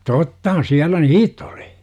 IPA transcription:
totːɑhɑn siælːæ niːtˑ oli

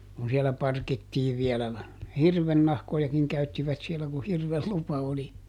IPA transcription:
kun sielæ pɑrkitːiːʋ ʋiɛlæ nɑ hirʋenːɑhkojɑkiŋ kæytːiʋæt sielæ ku hirʋel lupɑ oli

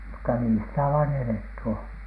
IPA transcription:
mutːɑ niː sitæ ʋɑːn eletːy on̥

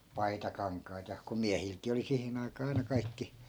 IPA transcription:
pɑitɑkɑŋkˑɑit jɑ ku miæhilkiː oli sihin ɑikɑː ɑi̯nɑ kɑikːi

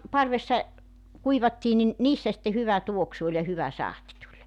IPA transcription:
pɑrʋesːɑ kuiʋɑtːiː nin niːsːæ sĭtːe hyʋæ tuoksu olʲ jɑ hyʋæ sɑhti tulʲ

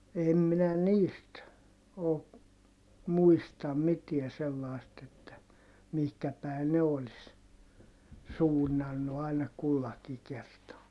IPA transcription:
em minæ niːst oː muistɑm mitiæ selːɑˑi̯st etːæ mihkæ pæi̯ ne olis suːnːɑnːu ɑˑinɑ kulːɑki kertɑː

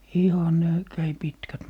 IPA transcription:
ihɑn ne kæi pitkæt

